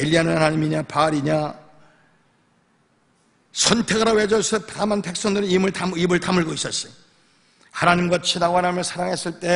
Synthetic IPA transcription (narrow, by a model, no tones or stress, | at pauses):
eʎːianɯnhanaɲimiɲapaɾiɲa | sʰʌntʰe̞ɡɯɾawed͡ʑʌsʰʌpdamanpe̞k̚s͈ʌŋdɯɾiimɯɭtamibɯɭtamɯɭɡois͈ʌs͈i̥ | hanaɲimɡʌt͡ɕʰiɾaɡoanamjʌnsʰaɾaŋɦes͈ɯɭt͈e̞